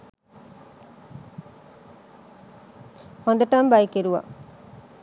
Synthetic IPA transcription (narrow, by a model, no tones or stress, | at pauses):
hond̪ɐʈɐmbaikeɾuʋa̰